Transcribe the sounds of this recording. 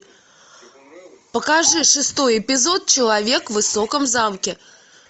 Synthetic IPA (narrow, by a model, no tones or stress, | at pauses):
pɐkaʐɨʂɨst̪ɔjɛpʲizɔt̪̚t͡ʃɐlˠavʲekvɨsɔkɐmzamkʲɛ